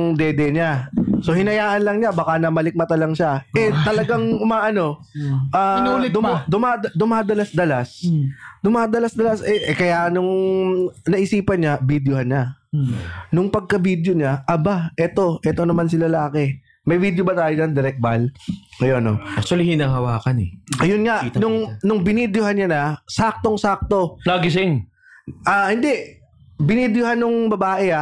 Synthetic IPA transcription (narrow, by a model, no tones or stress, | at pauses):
ŋd̪ɛd̪ɛɲaso̞hɪnɐjaːʔɐnlɐŋɲabaːkanɐmɐlɪk̚mɐt̪ɐlɐŋʃaʔɛt̪ɐlɐɡaŋʊmaːʔɐno̞ | ʔanːlɪd̪ʊmd̪ʊmaːd̪d̪ʊmaːd̪ɐlasd̪ɐlasd̪ʊmaːd̪ɐlɐsd̪ɐlasʔɛʔkɐjanʊŋ | nɐʔɪsiːpɐnɲabid̪johɐnɲa | nʊŋpɐɡ̚kɐbid̪joɲaʔɐbaʔɛt̪o̞ʔɛt̪onɐmansɪlɐlaːkɛ | mɐjvid̪jobɐt̪aːjod͡ʒɐnd̪ɪɾɛk̚balŋɐjonoak̚t̪uɐlihɪnaːhɐwaːkɐnɛʔɐjʊnŋaʔnʊŋnʊŋbɪnid̪johanɲanɐsaːk̚t̪oŋsaːk̚t̪o̞laːɡɪs̬ɪŋ | ʔaːhɪnd̪ɛʔ | bɪnid̪joɦanːʊŋbɐbaːʔɛa